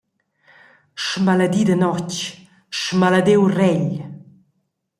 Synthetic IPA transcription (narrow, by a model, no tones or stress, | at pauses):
ʃmaləd̪id̪ənɔt͡ʃ | ʃmaləd̪ewrɛʎ